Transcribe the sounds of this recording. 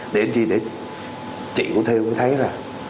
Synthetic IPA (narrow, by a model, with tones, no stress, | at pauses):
ɗe˨˦nt͡ɕi˧˩ɗe˧˩˦ | t͡ɕḭ˧˨ku˧˥ət̪ʰe˧wku˧˦t̪ʰə˨˦jzaː˨˩